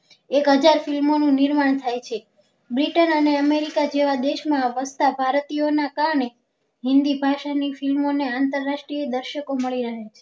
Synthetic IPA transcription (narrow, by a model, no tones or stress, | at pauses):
ekɦəd͡ʒaɾfilmonũnɪɾmaɳ̃t̪ʰajt͡ʃʰe | bɾiʈənəneəmeɾikad͡ʒeʋad̪eʃmãʋəst̪abʱaɾt̪ionakaɾɳe | ɦɪnd̪ibʱaʃanifilmoneant̪əɾːaʃʈɾied̪əɾʃəkoməɭiɾəɦet͡ʃʰe